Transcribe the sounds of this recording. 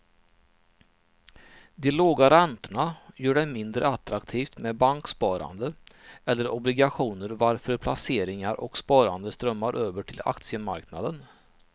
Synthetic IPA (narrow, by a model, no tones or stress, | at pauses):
d̪ɛloːɡaɾɛnt̪əɳajœːɖɛmɪnd̪ɾə̰at̪ːɾakt̪ʰiːft̪mebaŋkspɑːɾa̰nd̪əɛlːəɾɔblɪɡaɧuːnəɾvaɾfœɾpʰlaseːɾɪŋaɾʔɔkspɑːɾand̪əst̪ɾœmːaɾʔøːvəʈʰɪla̰kt̪sɪəma̰ɾknad̪ən